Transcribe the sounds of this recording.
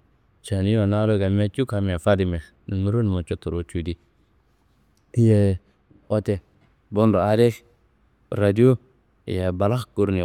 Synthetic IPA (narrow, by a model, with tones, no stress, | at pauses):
t͡ʃa˨ni˦o˨na˦lo˦ɡa˨me˦t͡ʃu˦ka˨me˨fa˦di˨mɛ˨ | ni˨mu˦ɾo˦n˨mo˨t͡ʃo˦tu˨ɾo˨t͡ʃu˨di˦ | jɛ˨ | o˦tɛ˨ | bo˦ndo˨a˦de˦ | ɾa˨di˦o˦˨ | jɛ˨ba˨la˦kɡu˦ɾni˨